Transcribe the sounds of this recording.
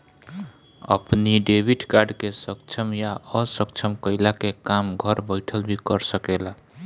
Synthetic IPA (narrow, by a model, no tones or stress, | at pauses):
ə̰pniɖebʱiʈkaɾɖkesəkt͡ʃʰəmjaəsəkt͡ʃʰəmkəɪlakekamɡʱəɾbəɪʈʰəlbʱikəɾsəkela